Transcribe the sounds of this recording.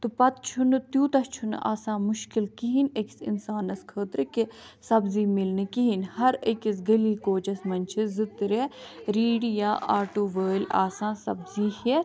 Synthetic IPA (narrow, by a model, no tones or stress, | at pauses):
t̪upɐt̪t͡ʃʰunt̪juːt̪ɐt͡ʃʰun̰ʔa̰ːsãːmʊʃkilkiɦineksḭnsaːnɐskʰəːt̪ɾɨke | sɐbziːmilnɨkiɦinhɐɾəkis̬ɡɐliːkoːt͡ʃɐsmɐnt͡ʃʰizɨt̪ɾeɾiːɽijaːʔaːʈuːʋəːlʲa̰ːsãːsɐbziːhe